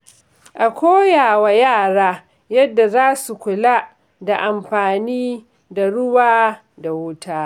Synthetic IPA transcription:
ʔa˨kʷoː˦jaː˨wa˨jaː˦˨ɽaː˦ | jɐ˦dːa˨zaː˦su˨kʷʊ˨la˦ | da˨ʔa˨mɸaː˨niː˦ | da˨ɽʊ˦waː˦ | da˨wʊ˦taː˦

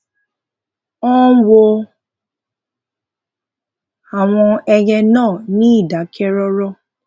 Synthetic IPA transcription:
ɔ̃˦wo˧ | a˦˨w̃ɔ̃˧ɛ˧jɛ˧nãː˦˨nĩ˦i˦˨da˨˦kɛ˦ɾɔ˦ɾɔ˦

